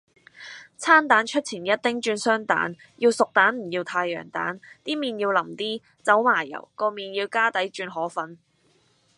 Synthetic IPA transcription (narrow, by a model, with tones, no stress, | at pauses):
t͡sʰaː˥nt̪aː˨˥nt͡ʃʰɵ˥t̚t͡sʰiː˨˩njɐ˥t̚t̪ɪ˥ŋt͡ʃyː˧nsœː˥ŋt̪a̰ː˨˥n | jiː˧wsʊ˨k̚t̪aː˨˥nm̩˨˩jiː˧wt̪ʰaː˧jœ̰ː˨˩ŋt̪a̰ː˨˥nt̪iː˥miː˨njiː˧wlɐ˨˩mt̪iː˥ | t͡sɐ˨˥wmaː˨˩jɐ̰˨˩wkɔː˧miː˨njiː˧wkaː˥t̪ɐ˨˥jt͡ʃyː˧nɦɔː˨˥fɐ˨n